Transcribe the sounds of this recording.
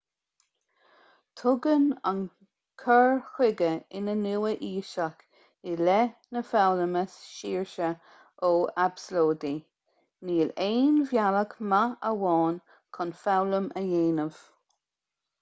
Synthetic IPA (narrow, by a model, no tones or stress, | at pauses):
t̪ʰʊɡəna̰n | kʰəɹxwɪɡəɪnənuwəʔiːʃak | ɪlɛnəfawləməsʃiːɹʃə | oabsloːd̪i | niːleːnvjaləkmaəwɑːn | kʰɔnfawləməjeːnəv̥